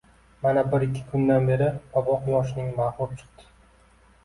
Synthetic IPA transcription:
manabɪɾɪkʲʰːɪ̥kʰʊnd̪anbe̞ɾɪɒbɒqmɒʃɪnɪŋmahʊɾt͡ʃʰɨ̥q̚t̪ʰɪ̥

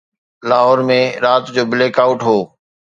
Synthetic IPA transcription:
laːɦɔːɾmẽɾaːt̪d͡ʑoːbɪleːkaːʊʈɦoː

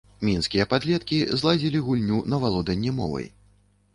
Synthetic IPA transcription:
mʲinskʲijɐpad̪lʲɛt̪kʲizlˠad͡zʲilʲiɣulʲnʲunɐvalˠɔd̪ɐnʲːɛmɔ̰vɐ̰j

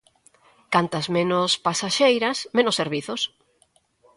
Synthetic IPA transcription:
kant̪ɐzmẽnospasaʃejɾɐsmẽnosːeɾβiθos

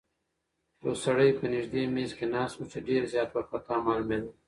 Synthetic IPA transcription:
osɐɽəjpənɪʒd̪eːmeːzkenaːsuseɖeːɾzjaːt̪wɐɾpɐt̪aːmaːlumel

